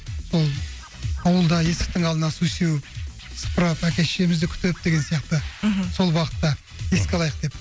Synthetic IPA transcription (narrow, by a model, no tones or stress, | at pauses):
so̞lˠ | ɑwəlˠd̪ɑje̞sɪ̥k̚t̪ɪŋɑlˠd̪ənɑsujsewɪp̚ | sə̥pəɾɑpækʲe̞ʃemɪzd̪ɪkʲʰʏ̥t̪p̚d̪e̞ɡʲe̞nsijɑqt̪əso̞lˠbwɑqə̥t̪ːɑ | je̞skʲɑlˠɑjəq̚d̪e̞p